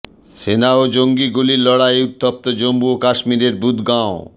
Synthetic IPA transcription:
senaod͡ʑoŋɡiɡulilɔɽaeut̪ːop̚t̪od͡ʑombuokaʃmiɾeɾbud̪ɡão

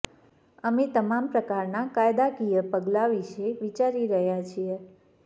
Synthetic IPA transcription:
əmet̪əmampɾəkaɾnakajd̪akijəpəɡlaʋiʃeʋit͡ʃaɾiɾəɦjat͡ʃʰije

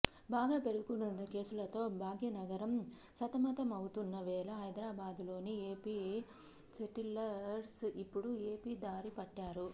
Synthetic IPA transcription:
baːɡaːpe̞ɽuukunund̪ɐke̞ːsulɐt̪o̞ːbʱaːɡjɐnɐɡɐɾɐm | sɐt̪ɐmɐt̪ɐmɐwut̪unːɐʋɛːlɐɦɐjd̪ɾaːbaːd̪ulo̞ːnieːpiː | seʈilɐɾsipːuɽue̞ːpiːd̪aːɾipɐʈːaːɾu

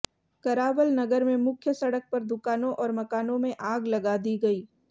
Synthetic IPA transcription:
kɐɾaːʋəlnɐɡəɾmẽmʊkʰjəsɐɽək̚pɐɾd̪ʊkaːnõʔɔːɾmɐkaːnõmẽʔaːɡlɐɡaːd̪iɡɐiː

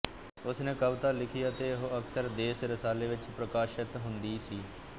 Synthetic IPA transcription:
ʊsneːkəbt̪aːlɪkʰijaət̪eːɦoəksəɾd̪eːsɾəsaːleːʋɪt͡ʃpɾəkaːʃɪt̪ɦʊnd̪iːsiː

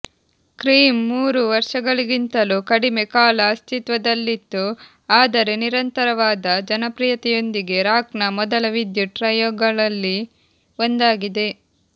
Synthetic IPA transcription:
kɾiːmːuːɾuʋɐɾʂɐɡɐɭiɡint̪ɐlukɐɽimekaːlɐːst̪it̪ʋɐd̪ɐlːit̪ːu | aːd̪ɐɾe̞niɾɐnt̪ɐɾɐʋaːd̪ɐd͡ʒɐnɐpɾijɐt̪ɛjo̞nd̪iɡe̞ɾaːknɐmɔd̪ɐlɐʋid̪juʈɾɐjoːɡɐɭɐlːi | ond̪aːɡid̪e̞

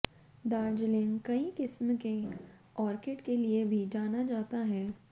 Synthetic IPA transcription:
d̪aːɾd͡ʒlɪ̃ŋɡkɐikɪsmke | ɔːɾkeːʈkeliebʱid͡ʒaːnad͡ʒaːt̪aɦɛː

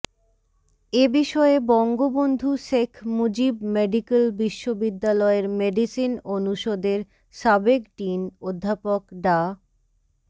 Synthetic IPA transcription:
ebiʃɔebɔŋɡobond̪ʱuʃekʰmud͡ʑibmeɖikelbiʃːobid̪ːalɔeɾmeɖisinonuʃod̪eɾ | ʃabekʈinod̪ʱːapokɖa

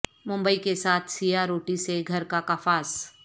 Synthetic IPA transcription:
mʊ̃mbəikesaːt̪ʰsijaɾoːʈiseɡʱɐɾkakafaːs

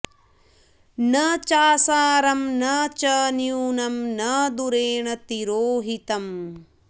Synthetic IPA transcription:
nɐt͡ʃaːsaːɾɐmnɐt͡ʃɐnjuːnɐmnɐd̪uɾeːɳɐt̪iɾoːɦit̪ɐm

